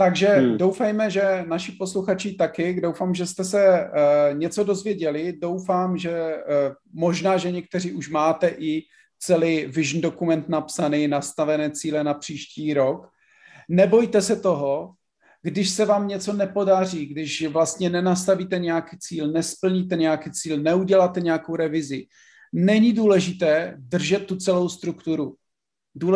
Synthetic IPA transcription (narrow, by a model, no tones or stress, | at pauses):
t̪aɡʒɛdowfɛjmɛʒɛnaʃɪpo̞sluxat͡ʃɪt̪akɪdowfaːmʒɛst̪ɛsɛ | ɲɛt͡so̞do̞zvjɛɟɛlɪdo̞wfaːmʒɛ | mo̞ʒnaːʒɛɲɛk̚t̪ɛr̝iːuʃmaːt̪ɛʔɪ | t͡sɛliːvɪʒn̩do̞kumɛnt̪napsaniːnast̪avɛnɛːt͡siːlɛnapr̝̥iːʃciːɾo̞k | nɛbo̞jt̪ɛsɛt̪o̞ɦo̞ | ɡdɪʃsɛvaːmɲɛt͡so̞nɛpo̞dar̝iːɡdɪʃvlast̪ɲɛnɛnast̪aviːt̪ɛɲɛjakiːt͡siːlnɛspl̩ɲit̪ɛɲɛjakiːt͡siːlnɛuɟɛlat̪ɛɲɛjakowɾɛvɪzɪ | nɛɲɪduːlɛʒɪt̪ɛːdr̩ʒɛt̪ːut͡sɛlo̞wst̪ɾukt̪uɾu | duː